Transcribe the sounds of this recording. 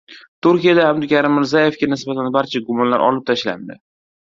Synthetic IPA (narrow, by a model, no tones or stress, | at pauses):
t̪ʰʊɾkʲijad̪aabd̪ɪkʲʰaɾɪmːɪɾzaje̞fɡʲanɪsbat̪ʰanbaɾt͡ʃʰaɡʊmɒnla̰ɾʔɒ̰lɪp̚t̪ʰaʃla̰nd̪ɪ